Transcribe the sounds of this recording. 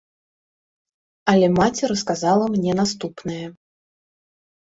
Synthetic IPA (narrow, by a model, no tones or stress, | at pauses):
ɐlʲɛmat͡sʲɛɾɐskazalˠɐmnʲɛnast̪upnɐjɛ